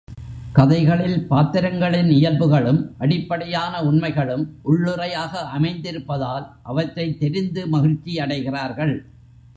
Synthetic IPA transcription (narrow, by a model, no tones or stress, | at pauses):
kɐðɐɪɣɐɭɪlpaːt̪ɪɾɐŋɡɐɭɪnɪjɐlbɯɣɐɭɯmʔɐɽɪpːɐɽɐjaːnɐʊɳmɐɪɣɐɭɯmʔʊɭːʊrɐjaːɣɐʔɐmɐɪnd̪ɪɾɯpːɐðaːlʔɐʋɐʈrɐɪt̪ːɛɾɪnd̪ɯmɐɣɪɻt͡ʃːiɐɽɐɪɣɪraːɾɣɐɭ